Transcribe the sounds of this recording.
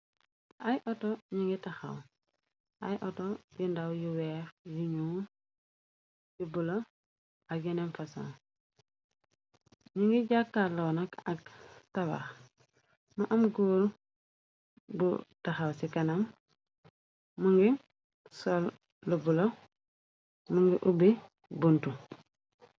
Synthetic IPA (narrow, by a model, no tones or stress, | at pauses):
ajʔotoɲiŋɡitaxa̰w | ajʔotojindawjuweːɾjiɲuː | jubulo | ainemfaso̰ŋ | ɲiŋɡiɟakːaloːnakaɡtawa̰x | maʔamɡuɾ | bṵtaxawsikanam | muŋɡi | sol | lubulo | muŋɡiʔubi | buntu